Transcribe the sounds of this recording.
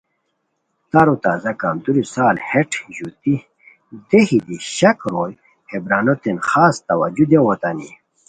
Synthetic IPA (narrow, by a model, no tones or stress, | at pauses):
t̪aɾut̪aːzɐkamd̪uɾisaːlheʈʰʑut̪i | d̪ehid̪iɕɐkɾoːj | hebɾaːnot̪enxaːst̪ɐwad͡ʑud̪jewot̪ani